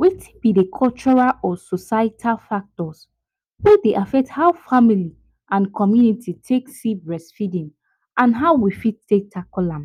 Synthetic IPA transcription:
wetʰĩbidekʰɔlt͡ʃɔɹalʔɔsɔsaitʰalfak̚tɔs | wedeʔafɛk̚thaʊfamili | ʔãnkʰɔmjunitʰitʰeksibɹɛsfidĩm | ʔãnɦaʊwifittʰːek̚tʰakɔlãm

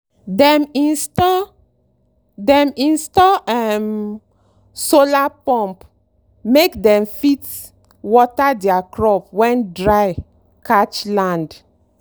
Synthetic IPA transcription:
dɛminstɔ | dɛ̃mĩnstɔɛm | solapɔ̃mp | mekdɛ̃mfit | wɔtadɛakɹɔpwɛ̃ndɹaj | kat͡ʃlãnd

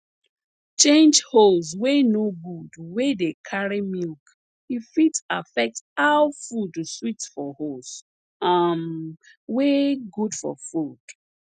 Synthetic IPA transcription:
t͡ʃẽnd͡ʒholzwenoɡudwedekʰaɹimilk | ifitafɛk̚tawfuduswitfɔhols | am | weɡudfɔ̰fud̥

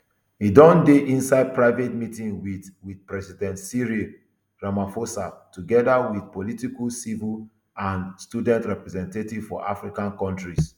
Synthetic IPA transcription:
hidɔ̃ndeʔĩnsaɪd̚pɹaɪvetmitĩŋwiðwidpɹɛsidɛ̃ntsiɹi | ɹamafosa̰tuɡɛdawiθpolitiklsivil | ãnstudɛ̃ntɹɛpɹɛzɛ̃ntetiv̥fɔ̰ʔa̰fɹikãnkɔ̃ntɹis

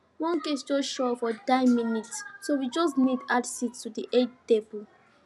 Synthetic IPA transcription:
wɔ̃nkesd͡ʒɔsʃɔfɔdaɪminitsowid͡ʒɔs̬nidadsittudiʔed͡ʒtebul

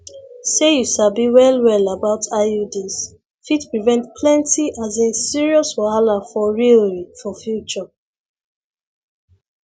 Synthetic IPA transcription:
sejuʃabiwɛlwɛlabaʊtʰaudis | fitpɹivɛ̃ntpʰlɛ̃ntiʔazensiɹiɔswɔalafɔɹilɹifɔfjut͡ʃɔ

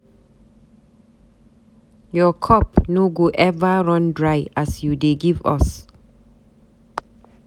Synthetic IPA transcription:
jɔkʰɔp̚noɡoʔɛvəɹɔ̃ndɹajasjudeɡiva̰s

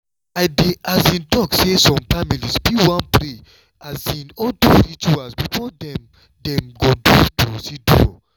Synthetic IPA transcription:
aɪdeʔazĩndɔksesɔ̃mfamilisbiwãnpɾe | azĩnɔtuɾit͡ʃuasbifɔdɛ̃m | dɛ̃mɡodṵtusido̰

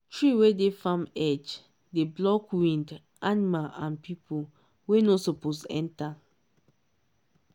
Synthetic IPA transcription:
tʰɹiwedefamɛd͡ʒ | deblɔkwĩnd | ʔanimalãnpipʰo | wenosoposɛ̰̃nta

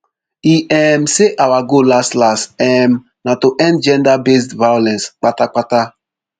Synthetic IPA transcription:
iʔɛm̩seʔawaɡolastlastɛm̩ | natoʔɛ̃ndd͡ʒɛ̃ndabestvajolɛ̃nsk͡patak͡pata

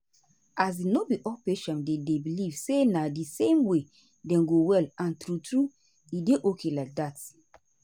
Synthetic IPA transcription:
ʔas̬inobiʔɔlpeʃɛ̃ndedebilivsenadisẽmwe | dɛ̃nɡowɛlãntɾutɹu | ideʔokʰelak̚dat

